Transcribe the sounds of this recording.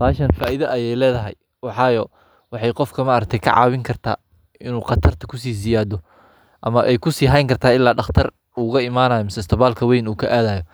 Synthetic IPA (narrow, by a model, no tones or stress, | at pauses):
faːʃɐnfaːʔiðɐʔːjɛjlɛːðɐɦɛ̰j | wɑħɑːjɔ | wɑħɑjqɔfkʰɐmɐɾɐk̚t̪ʰɛjkʰɐ̰ʕɑ̰ːwɪŋkʰɐrt̪ʰa̰ː | ɪnuːqɑt̪ʰɐrt̪ʰɐ̥kʰʊs̬iːs̬ɪjaːðɔ | ʔɐmɐʔɛjkʰʊsiːɦɐjŋkʰɐrt̪ʰaːɪlːaːɖɑχt̪ʰɐr | uːɣɐɪmaːnaːjɔmɪsɐɪst̪ʰɐβaːlkʰɐwɛjnuːkʰɐʔaːðaːjɔ